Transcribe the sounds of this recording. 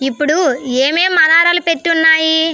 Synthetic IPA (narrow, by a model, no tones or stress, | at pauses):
ipːuɽueːmeːmɐðaːɾalupet̪ːunːaːji